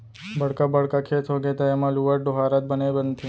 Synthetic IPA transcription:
bəɽkabəɽkakʰet̪ʰɦoɡet̪aɛmãluəɾɖoɦaɾət̪̚bənebənt̪ʰĩ

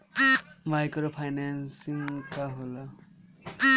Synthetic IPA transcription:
majkɾopʰajnansiŋkaɦola

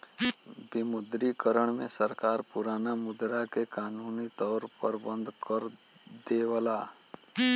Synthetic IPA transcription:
bɪmʊd̪ɾikəɾəɽ̃mẽsəɾkaːɾpʊɾaːnamʊd̪ɾakekaːnuːnit̪ɔːɾpəɾbə̃nd̪kəɾ | d̪eːwəlaː

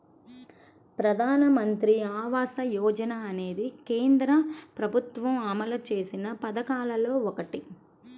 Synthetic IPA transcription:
pɾɐd̪ʱaːnɐmɐnt̪ɾiaːʋaːsɐjɔːd͡ʒɐnɐːne̞ːd̪ikeːnd̪ɾɐpɾɐbʱut̪ʋɐmɐmɐlɐt͡ʃe̞ːsinɐpɐd̪ɐkaːlɐlo̞ːɔkɐʈi

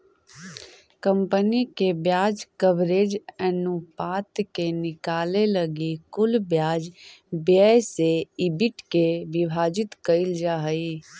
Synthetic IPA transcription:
kəmpənikebjaːd͡ʒkəbɾed͡ʒɛnupat̪kenɪkaːleləɡikʊlbjaːd͡ʒbjəjseibiʈkeʋibʱaːd͡ʒit̪kəɪld͡ʒaɦəi

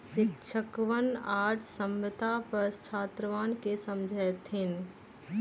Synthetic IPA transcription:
ʃɪkʃʰəkʋənaːd͡ʒsə̃mʋət̪apɐɾst͡ʃʰaːt̪ɾəʋaːnkesɐmd͡ʒʱət̪ɦɪn

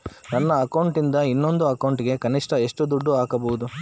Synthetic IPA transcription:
nɐnːɐːkɐwɳʈind̪ɐinːo̞nd̪uɐkɐwɳʈiɡe̞kɐniʂʈɐeʂʈud̪uɖːuaːkɐbɐwud̪u

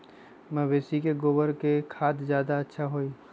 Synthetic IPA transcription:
məbeːsikeɡoːbəɾkekʰaːt̪zjaːd̪aɐtːʃʰaɦoi

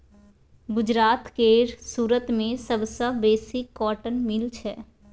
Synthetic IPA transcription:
ɡʊd͡ʒɾaːt̪keːɾsuːɾət̪mẽsəbsəbeːsɪkːɔːʈənmɪlt͡ʃʰɛː

